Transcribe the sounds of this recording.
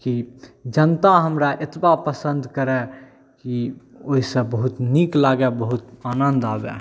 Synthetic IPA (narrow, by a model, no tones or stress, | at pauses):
kid͡ʒənt̪aɦəmɾaʔet̪bapəsə̃nd̪ʱkəɾɛ | ki | oɦisə̃bəɦut̪niklaɡɛbəɦut̪anənd̪abɛ̰